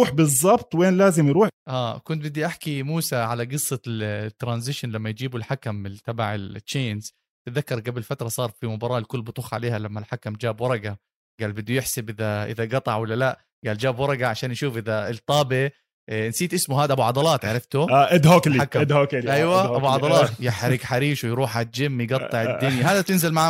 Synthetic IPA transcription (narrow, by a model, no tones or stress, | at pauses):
uːħbɨzˤːɑbt̪ˤweːnlaːzɪmjɾuːħʔaːkʊnt̪̚bɪd̪ːiʔaħkimuːsaʕalaɡɨsˤːɑt̪ːɾanzɪʃanlamːajd͡ʒiːbʊlħakamɪt̪ɑbaʕɪlt͡ʃːeːnz | t̪ðakːɑɾˤɡabɪlfat̪ɾˤɑsˤɑːɾˤfimʊbɑːɾˤɑːʔɪlkʊlːbʊt̪ˤuːxʕa̰leːhalamːalħakamd͡ʒaːbwɑɾˤɑɡa | ɡaːlbɪd̪ːujɪħsabʔɪðaʔɪ̰ðaɡɑt̪ˤɑʕwalːalaʔ | ɡaːld͡ʒaːbwɑɾˤɑɡaʕaʃaːnjʃuːfʔɪðalt̪ˤːɑːbɪ | nsiːt̪ʔɪsmʊhaːd̪aʔabuʕɑd̪ˤɑlɑːt̪ʕaɾˤɑft̪ʊaʔɪd̪hoːkliakad̪hoːkʔajwaʔabuʕɑd̪ˤɑlɑːt̪jɪħɾɪɡħaɾiːʃwjɾuːħat̪̚d͡ʒɪmːjɡɑt̪ˤːɨʕɪd̪ːʊnjaɦaːd̪at̪ɪnzɪlmaʕ